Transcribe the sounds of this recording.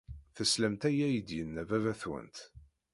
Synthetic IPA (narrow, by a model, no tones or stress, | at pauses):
θəsləmt̪æjæjəd̪jənːævævæθwə̰nt̪